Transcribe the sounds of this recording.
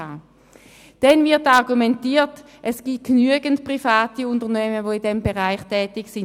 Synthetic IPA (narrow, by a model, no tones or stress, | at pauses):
a | d̥ɛnvɪɐtɑʁɡumɛntiːt | ʔɛsɡ̥iːɡ̥nyəɡəntpʁ̥ifaːtiʊntəɐnɛːməvoɪndɛmbeʁaɪχtʰɛːtɪksɪn